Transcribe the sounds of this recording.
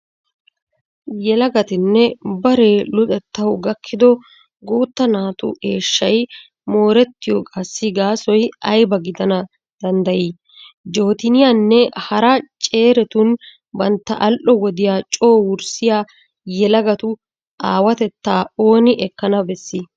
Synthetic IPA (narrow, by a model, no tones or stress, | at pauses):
jɛlɐɡɐt̪ɪnːɛbɐɾe̞ːlʊt̪ʼɛt̪ːɐwɡɐkʰːɪd̪ɔ | ɡoːt̪ːɐnaːt̪ʊ̰ʔe̞ːʃːɐj | mo̞ːɾɛt̪ːɪjɔkʼɐsːɪɡaːsɔjɐjbɐɡɪd̪ɐnɐ | d̪̥ɐnd̪ɐji | d͡ʒo̞ːt̪ɪnɪjanːɛhɐɾɐt͡ʃʼe̞ːɾɛt̪ʊn | bɐnt̪ːɐʔɐlʔɔwɔd̪ɪjaːt͡ʃʼo̞ːwʊɾsɪjaː | jɛlɐɡɐt̪ʊ | ʔaːwɐt̪ɛt̪ːaːo̞ːnɪʔɛkːɐnɐbɛsːɪ